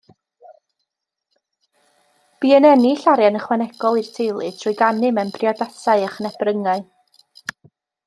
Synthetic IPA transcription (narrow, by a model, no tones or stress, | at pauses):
b̥iːənɛniɬaɾjanəχwɛnɛɡ̥ɔlˠirtʰejlˠɨdʰrʊɨɡanɨmɛmbriɔdasaɨəχnɛb̥rəŋaɨ